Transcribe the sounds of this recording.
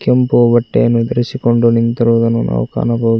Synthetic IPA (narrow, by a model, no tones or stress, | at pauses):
kjɐmpoːbɐʈːḛːnud̪ɐɾisikoɳɖunint̪ɐɾuːd̪ɐnunʔɐ̰ʋɐka̰ːnɐpoː